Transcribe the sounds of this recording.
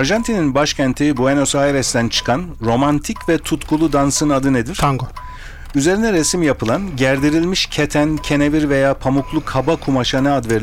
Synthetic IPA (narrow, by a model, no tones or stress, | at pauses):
aɾʒant̪ʰininbaʃcʰænt̪ʰibueno̞saːeɾɛsd̪ænt͡ʃʰɯ̥kʰanɾo̞mant̪ʰicvɛt̪ʰut̪kʰulˠud̪ansɯnad̪ɯne̞d̪iɾ̥tʰaŋɡo | yze̞ɾinɛɾesimjapʰɯlˠanɟæɾd̪iɾilʲmiʃcʰet̪ʰæncʰe̞neviɾve̞jaːpʰamuklˠukʰhabakʰumaʃanɛad̪veɾʲ